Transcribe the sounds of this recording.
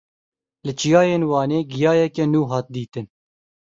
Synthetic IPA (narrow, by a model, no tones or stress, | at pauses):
lɪt͡ʃijɑːjeːnwɑːneːɡijɑːjɛkɛnuːɦɑːt̪̚d̪iːt̪ɨn